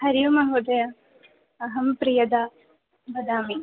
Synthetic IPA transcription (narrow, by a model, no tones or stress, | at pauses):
hɐɾijumɐɦuːd̪ɐjɐ | ɐɦɐmpɾijɐd̪a | bɐd̪aːmi